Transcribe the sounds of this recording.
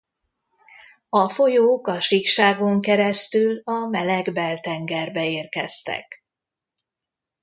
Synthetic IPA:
ɒfo̞joːkɒʃikʃaːɡo̞ŋkɛɾɛst̪ylɒmɛlɛɡbɛlt̪ɛŋɡɛrbɛeːrkɛ̰st̪ɛ̰k

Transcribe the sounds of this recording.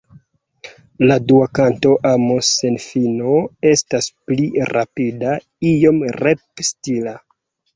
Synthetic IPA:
laduakanto̞ʔamose̞nfinoe̞staspliɾapida | ijo̞mɾepstila

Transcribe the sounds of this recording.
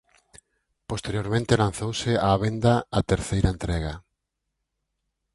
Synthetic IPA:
post̪eɾjoɾmẽnt̪elãnθowsɪaːβ̞ẽnd̪aat̪eɾθejɾaẽnt̪ɾɛɣa

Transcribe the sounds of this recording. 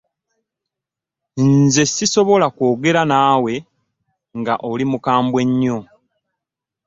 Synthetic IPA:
nze̞sːiso̞βo̞lakwo̞ːɡe̞ɾanaːwe̞ | ŋɡa̰ʔolimukaːmbwe̞ɲːo̞

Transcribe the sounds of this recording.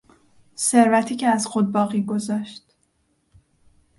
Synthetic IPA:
se̞ɾvæt̪ʰiːcʰeæzxo̞d̪̚bɒːɣiːɡo̞zɒːʃt̪

